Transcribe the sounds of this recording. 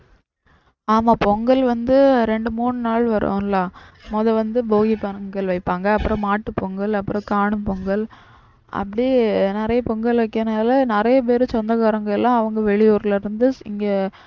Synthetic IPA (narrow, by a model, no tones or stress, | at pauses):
aːmaːpɔŋɡɐɭʋɐnd̪ɯɾɛɳɖɯmuːɳɯnaːɭʋɐɾo̰ːŋlãːmɔðɐʋɐnd̪ɯboːɣipɐɾɡɐɭʋɐɪpːaːŋɡɐːpːɯɾɔ̃maːʈːɯpɔŋɡɐɭɐpːɯɾɔ̃kaːɳɯmpɔŋɡɐɭ | ʔɐ̰pːɐɽinɪɾɐjɐpɔŋɡɐɭʋɐkːɐnaːlɐnɪɾɐjɐp̬eːɾɯ̃t͡ʃɔnd̪ɐɣaɾɐŋɡɐɭɛlãːɐʋɐŋɡɐʋɛɭɪjuːɾlɐɾɯnd̪ɯɪŋɡeː